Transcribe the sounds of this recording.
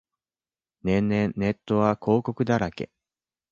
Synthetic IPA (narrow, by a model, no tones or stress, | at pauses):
nẽ̞nːẽ̞nne̞t̪ːo̞βakʰo̞ːko̞kɯ̟d̪aɾakḛ